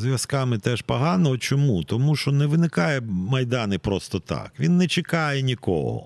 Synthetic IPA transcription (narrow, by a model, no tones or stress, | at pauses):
zʋʲɐskɑmɪt̪ɛʃpɐɦɑnɔɦɔt͡ʃɔmut̪ɔmuʃt͡ʃɔnɛʋɪnɪkɑjɛmɐjd̪ɑnɪpɾɔst̪ɔt̪ɑ̰kʋʲinːɛt͡ʃɪkɑjɛnʲikɔ̰ɦɔ̰